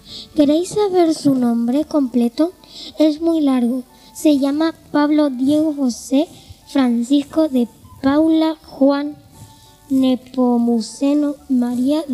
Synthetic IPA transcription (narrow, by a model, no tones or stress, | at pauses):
ke̞ɾejsːaβeɾsunõ̞mbɾe̞ko̞mplet̪oezmujlaɾɣo | se̞ʝamapaβlo̞ðjeɣoxosefɾansisko̞ðepawlaxwanː | epomusenomaɾia